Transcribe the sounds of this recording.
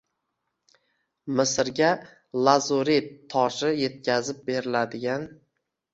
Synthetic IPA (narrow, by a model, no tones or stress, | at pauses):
mɪsɪɾɡʲa | lˠazoɾit̪ʰɒʃɪje̞t̪̚kʲʰazɪp̚be̞ɾɪlad̪ɪɡʲan